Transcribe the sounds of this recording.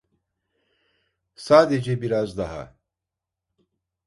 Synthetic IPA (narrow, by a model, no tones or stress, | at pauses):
saːd̪ed͡ʒebiɾazd̪aɦa̰